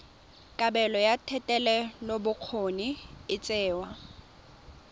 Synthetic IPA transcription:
kʼabɛlɔjatʰɛtʼɛlɛlobʊq͡χʰoniɪt͡sʼɛːwa

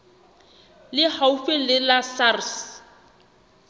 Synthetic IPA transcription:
lɪhaufɪlɪlasars

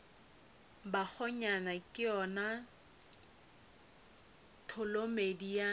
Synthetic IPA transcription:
bak͡xʰɔɲanakʼɪɔna | tʰʊlomedia

